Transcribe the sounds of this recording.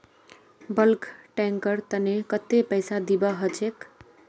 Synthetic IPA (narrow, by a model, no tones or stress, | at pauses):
bʌlkʈeŋkəɾt̪ənekət̪ːepəjsad̪ibʌɦət͡ʃʰek